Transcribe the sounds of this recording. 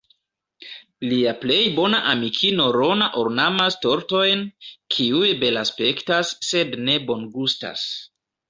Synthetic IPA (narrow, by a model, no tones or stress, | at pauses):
liaple̞jbo̞naʔamikʰino̞ɾo̞naʔoɾnamasto̞ɾto̞jnkʰiujbe̞laspe̞ktasːe̞dne̞bo̞nɡusta̰s